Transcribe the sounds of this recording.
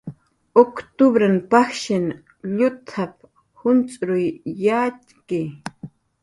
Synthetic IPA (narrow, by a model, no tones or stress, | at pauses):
okt̪ʊbɾanpaxʃɪn | ʎʊt̪ʰap̚ | hʊnt͡sʼɾʊjːaːt̪kɪ